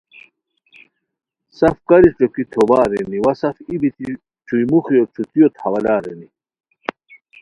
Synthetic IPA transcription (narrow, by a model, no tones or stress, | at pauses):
sɐfkɐɾiʈ͡ʂokit̪ʰobaːɾeniwɐsɐfibit̪i | ʈ͡ʂʰujmuxijot͡sʰut̪ijot̪ʰhɐwɐlaːɾḛni